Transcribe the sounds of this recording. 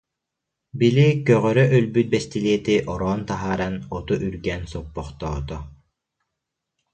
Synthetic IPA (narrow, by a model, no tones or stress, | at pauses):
bilikœʁœɾœʔœlbyt̪̚bɛst̪iliɛt̪iʔɔɾɔːnt̪aɦaːɾanɔt̪uʔyɾɡɛːnsɔpːɔχt̪ɔːt̪ɔ